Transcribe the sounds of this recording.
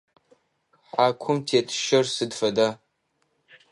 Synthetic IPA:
ħaːkʷʰʊmtʰeːtʰʃɐrsɨdfɐdaː

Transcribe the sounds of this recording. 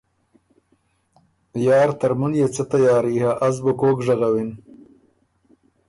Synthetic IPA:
jɑːɾt̪aɾmunjet͡sat̪ajɑːɾihaʔazbokoːkʐaɣawɪn

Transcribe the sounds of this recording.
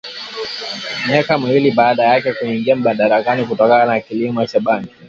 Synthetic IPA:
miakamiwiliɓaːɗajakɛkuiŋɡiam̩ɓanɗaɾakanik̬utɔkananakilimɔt͡ʃaɓaŋki

